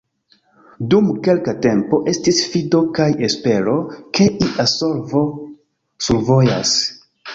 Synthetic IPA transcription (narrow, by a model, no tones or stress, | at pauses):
dumke̞lkate̞mpo̞ʔe̞stisfido̞kajespe̞ɾo̞ke̞ʔiʔasoɾvo | suɾvo̞ja̰s